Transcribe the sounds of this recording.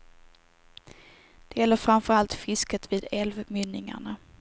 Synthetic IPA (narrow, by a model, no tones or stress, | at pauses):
d̪̥ɛjɛlːəɾfœɾanfœɾalt̪fɪskət̪viːd̪ɛlvmʏnːɪŋa̰ɳa